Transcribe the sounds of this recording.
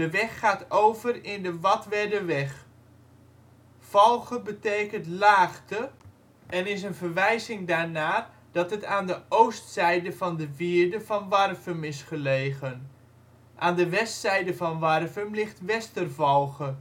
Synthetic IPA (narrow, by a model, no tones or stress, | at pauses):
dəʋɛχːaːtowvərɪndəʋɑtʋɛdəʋɛχ | v̥ɔlˠɣəbətejkəntlaːχtə | ɛnɪs̬ənvərʋɛjzɪŋdaːɹnaː | d̥ɑtɦətaːndəowstsɛjdəvɑndəviːɹdəvɑnʋɑrvəmɪsχəlejɣən | ʔaːndəʋɛstsɛjdəvɑnʋɑrvəmlɪχtʋɛstərvɔlˠɣə